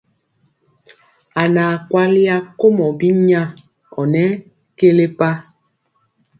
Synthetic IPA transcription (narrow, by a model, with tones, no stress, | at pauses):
a˨naː˨kwa˦li˦a˦ko˦mɔ˨bi˦ɲa˦˨ | ɔ˨nɛ˦ | ke˦le˦pa˦